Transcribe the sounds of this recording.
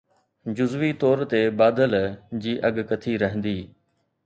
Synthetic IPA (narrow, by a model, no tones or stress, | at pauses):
d͡ʑʊzʋit̪ɔːɾt̪ebaːd̪əld͡ʑiːʔɐɠkɐt̪ʰiɾɐɦə̃nd̪iː